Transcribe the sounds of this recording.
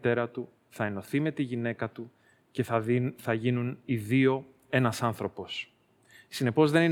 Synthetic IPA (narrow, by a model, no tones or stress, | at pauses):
t̪e̞ɾɐt̪u | θɐe̞no̞θime̞t̪iʝine̞kɐt̪u | ce̞θɐʝinuniðio̞ | e̞nɐsɐnθɾo̞po̞s | sine̞po̞zðe̞ni